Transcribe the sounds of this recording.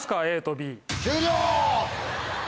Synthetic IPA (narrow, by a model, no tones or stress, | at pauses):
sɨ̥kaeːt̪obʲiːt͡ɕɨːɾʲoː